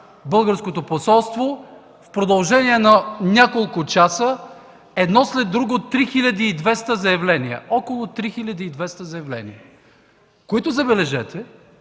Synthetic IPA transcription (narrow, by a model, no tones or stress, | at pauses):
bɤlˠɡəɾskot̪oposɔlˠst̪vo | fpɾod̪ɐlˠʒɛniɛnɐnʲakolˠkʊt͡ʃasə | ɛd̪nɔslɛd̪ːɾuɡʊt̪ɾixilʲɐd̪iːd̪vɛst̪əzɐjɐvlɛniə̰ɔkolˠʊt̪ɾixilʲɐd̪iːd̪vɛst̪əzɐjɐvlɛ̰nḭə | koit̪ʊzɐbɛlɛʒɛt̪ɛ